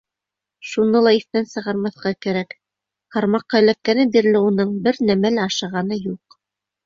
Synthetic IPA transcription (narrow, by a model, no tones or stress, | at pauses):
ʃunɤlˠɑiθt̪ænsɤ̆ʁɑɾmɑθqɑkæɾæk | hɑɾmɑqːɑ̆læk̚kænɘd̪iɾlɘunɤɴbɘɾnæmælɑʃɤ̆ʁɑnɤjuq